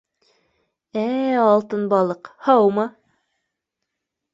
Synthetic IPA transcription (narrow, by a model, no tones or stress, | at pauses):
æɑlˠt̪ɤnbɑlˠɤqhɑwmɑ